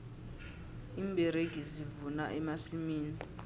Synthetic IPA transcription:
iːmbʱɛɾeɡ̥ʱizivunaʔɛmasimiːni

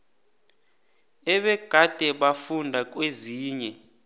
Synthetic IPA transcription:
ɛɓɛɡ̥ʱad̥ʱɛɓafundʱak̬ʼweziːɲɛ

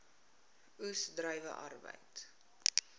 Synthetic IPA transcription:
usdrœjvə̰ʔɐ̰rbə̰jt

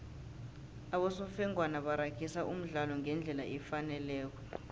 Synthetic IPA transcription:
aɓɔsɔfɛŋʱwanaɓaɾakʰisaʔum̩ɮalɔŋɡʱɛnd͡ɮʱɛlaʔɛfanɛlɛːk̬ɔ̥

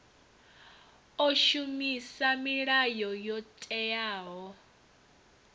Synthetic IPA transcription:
ɔʃumisamiɺajɔjɔtʼɛjaːɦɔ

